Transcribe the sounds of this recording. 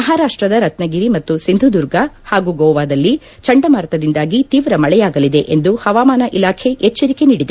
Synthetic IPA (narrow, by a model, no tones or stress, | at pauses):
mɐɦaːɾaːʂʈɾɐd̪ɐɾɐt̪nɐɡiɾimɐt̪ːusind̪ʱud̪uɾɡɐhaːɡuːɡɔːʋaːd̪ɐlːi | t͡ʃɐɳɖɐmaɾɐt̪ɐd̪ind̪aːɡit̪iːʋɾɐmɐɭɛjaːɡɐlid̪e̞ʔend̪uhɐʋaːmaːnɐʔilaːkʰe̞ʔet͡ʃːɐɾike̞niːɽid̪e